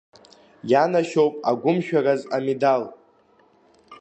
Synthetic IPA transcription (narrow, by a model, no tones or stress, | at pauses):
janaʃowpʼaɡʷʊmʃᶣarazamedal